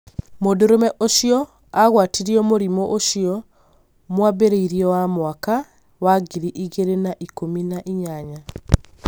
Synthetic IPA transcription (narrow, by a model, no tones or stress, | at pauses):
modoɾomɛʔoʃiɔ | aɣwatiɾiɔmoɾimoʔoʃiɔ | mwabeɾeiɾiɔwamwaka | waɡiɾiʔiɣeɾenaʔikominaʔiɲaɲa